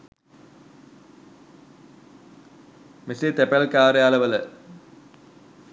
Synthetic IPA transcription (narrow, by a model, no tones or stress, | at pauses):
miset̪epelkaːɾjaːlɐʋɐlɐ